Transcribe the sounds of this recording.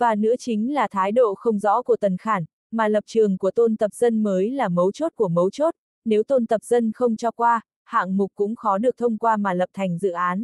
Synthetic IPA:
vaː˨˩nɨ̰˧˥ət͡ɕï˨˦ŋ̟laː˨˩t̪ʰaː˨˦jɗo̰˧˨xə˧wŋ͡mzɔ̰˧˥ku˧˩ət̪ə˨˩nxaː˧˩n | maː˨˩lə˨˩p̚t͡ɕɨ˨˩əŋku˧˩ət̪o˧nt̪ə˨˩p̚z̥ə˧nməː˨˦jlaː˨˩mə˨˦wt͡ɕo˦˥t̚ku˧˩əmə˨˦wt͡ɕo˦˥t̚ | ne˨˦wt̪o˧nt̪ə˨˩p̚z̥ə˧nxə˧wŋ͡mt͡ɕɔ˧kwaː˧ | ha̰ː˧˨ŋmʊ˨˩k̚kːʊ̰˧˥ŋ͡mxɔ˨˦ɗɨ˨˩ək̚t̪ʰə˧wŋ͡mkwaː˧maː˨˩lə˨˩p̚t̪ʰa˨˩jŋ̟zɨ̰˧˨ʔaː˨˦n

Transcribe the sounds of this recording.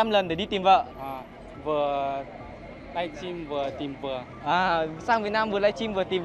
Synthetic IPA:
a˧mlə˨˩nɗə˨˩ɗi˧t̪i˨˩mvə̰˧˨ʔa˨˩ | vɨ˨˩ə | la˧jt͡ɕi˧mvɨ˨˩ət̪i˨˩mvɨ˨˩ə | ʔaː˨˩saː˧ŋvnaː˧mvɨ˨˩əla˧˥jt͡ɕi˧mvɨ˨˩ət̪i˨˩m

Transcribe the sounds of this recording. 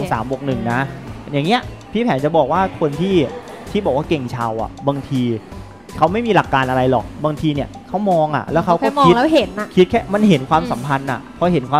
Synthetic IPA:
sa̰ː˩˦mwo˨˩k̚nɯ˨˩ŋna˦˥jaː˨˩ŋːi˦˥ɐpʰiː˥˩pʰɛː˩˦nt͡ɕa˨˩bɔː˨˩k̚waː˥˩kʰo˧nt̪ʰiː˥˩ | t̪ʰiː˥˩bɔː˨˩k̚waː˥˩ke˨˩ŋt͡ɕʰaː˧wʔa̰˨˩baː˧ŋt̪ʰiː˧ | kʰa˦˥wma˥˩jmiː˧la˨˩kːaː˧nʔa˧ɾa˧jlɔ˨˩k̚baː˧ŋt̪ʰiː˧ni˥˩ɐkʰa˦˥wmɔː˧ŋʔa̰˨˩lɛ˦˥wkʰa˦˥wkɔː˥˩mɔkːi˦˥tlɛː˦˥ɦe˨˩˦n˧kʰi˦˥t̪̚kʰɛː˥˩ma˧nɦe˩˦nkʰwaː˧msa˩˦mpʰa˧nʔa̰˨˩pʰɔ˦˥ɦe˨˩˦nkʰwaː˧

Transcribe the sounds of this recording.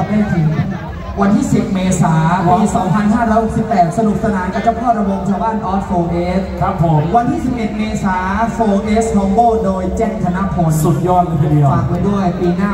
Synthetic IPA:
ma˥˩jt̪ʰɯ˩˦ŋ | wa˧nt̪ʰiː˥˩si˨˩p̚meː˧saː˩˦pːiː˧sɔː˨˦ŋpʰa˧˩nɦaː˥˩ɾɔː˦˥jho˨˩si˨˩p̚pɛː˨˩t̪̚sa˧nu˨˩p̚sa˧naː˨˧˦nkaː˧˩t͡ɕʰa˧˩pʰɔː˥˩ɾa˧bo˧ŋt͡ɕʰaː˧wbaː˥˩nʔɔː˦˥t̚foː˧ʔeː˦˥skʰɾa˦˥pʰːo˩˦mwa˧nt̪ʰiː˥˩si˨˩p̚ʔe˨˩t̪̚meː˧saː˩˦foː˧ʔeː˦˥shɔː˧ŋboː˥˩doː˧jt͡ɕɛː˥˩ŋt̪ʰa˧na˦˥pʰo˧nsu˨˩t̪̚jɔː˥˩t̪̚lːpʰa˧˩i˨˧˩aː˥˩pa˧jdu˥˩əjpiː˧naː˥˩

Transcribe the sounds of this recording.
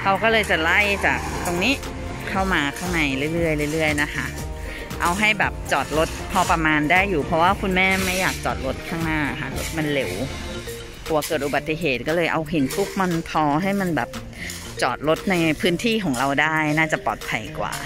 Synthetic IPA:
kʰa˧wkɔː˥˩lɤː˧jt͡ɕa˨˩la˥˩jt͡ɕa̰ː˨˩k̚t̪o˧ŋniː˦˥ | kʰa˥˩wmaː˧kʰaː˥˩ŋna˧jlɯ˥˩˨jlɯ˥˩əjlɯ˥˩lɯ˥˩əjna˦˥kʰa˦˥ | ʔa˧wɦa˥˩jbɛː˨˩p̚t͡ɕɔː˨˩t̪̚lo˦˥t̪̚pʰɔː˧pa˧maː˧ndaː˥˩jːuː˨˩pʰɾɔ˧˥waː˥˩kʰu˧nmɛː˥˩ma˥˩jːaː˨˩k̚t͡ɕɔː˨˩t̪̚lo˦˥t̪̚kʰaː˥˩ŋnaː˥˩˨ɦaː˨˦lṵ˦˥˩k̚ma˧nle˨˩w | k̪ʰuː˧˩˧kɤː˨˩t̪̚ʔu˨ba˨˩t̪ːi˨˩ɦeː˨˩t̪̚kɔː˥˩lɤː˧jʔa˧wɦi˨˦nfu˦˥k̚ma˧npʰɔː˧ɦa˥˩jma˧nbɛ̰ː˨˩p̚ | t͡ɕɔ̰ː˨˩t̪̚lo˦˥t̪̚na˧jpʰɯː˦˥nt̪ʰiː˥˩kʰɔː˩˦ŋɾa˧wdaː˥˩jnaː˥˩t͡ɕa˨˩pɔː˨˩t̪̚pʰa˧jkwa̰ː˨˩

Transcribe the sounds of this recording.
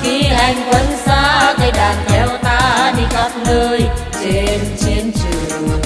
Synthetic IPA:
ki˧˦ɦɛ˧˨ŋkwə˧˦nsa˧˦t̪a˧˩ɗaː˨˩nt̪ʰɛ˧˦wt̪aː˧˥ni˧ka˧˦˥p̚ləː˧j | t͡ɕe˧nt͡ɕe˧nt͡ɕɨ˨˩

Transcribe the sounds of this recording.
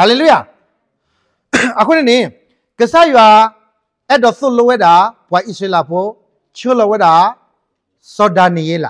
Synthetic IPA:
ɦa˦le˨lu˦ja˨ | a˨kʊ˦nɪ̃˨nɪ̃˨˦˨ | kə˨sa˦jʊ˨a˨ | ɛ˦dɔ˨θʊ˦˨lo˦wɛ˦da˨˦pʊ˨a˨ʔi˦se˦la˨po˦ | t͡ʃi˦o˦lɔ˦wɛ˦da˨˦ | sɔ˧da˨nĩ˨je˦la̰˨

